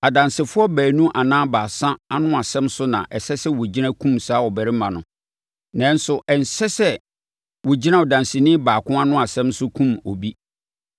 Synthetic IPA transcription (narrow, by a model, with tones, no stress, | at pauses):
a˨dã˨nsɪ˨fʊ˦ɔ˦bæː˨nũ˦ʔa˨nãː˦baː˨sã˦a˦nʊ̃˦a˨sɛ̃˦msʊ˦nã̰˨ʔɛ˨sɛ˦sɛ˦wʊ˨d͡ʑi˦nã˦kʰũ˦msaː˨˦wɔ˨bæ˨ɾɪ˦mã˨nʊ̃˨ | nã˦n˦sʊ˨ʔɛ˨n̩˨sɛ˦sɛ˦ | wʊ˨d͡ʑi˦nã˦wɔ˨dã˨nsɪ˨nɪ̃˦baː˨kʰʊ̃˦a˦nʊ̃˦a˨sɛ̃˦msʊ˦kʰũ˦mo̰˨bi˦